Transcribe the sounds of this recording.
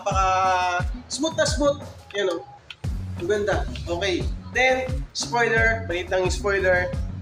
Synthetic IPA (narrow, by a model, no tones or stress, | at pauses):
pɐʔa | sbʊt̪̚nɐsmʊt̪̚jɐno | ɡɐnd̪aʔoːkɛjd̪ɛnspojd̪ɛɹmɐliːt̪ɐŋɪspojd̪ɛɹ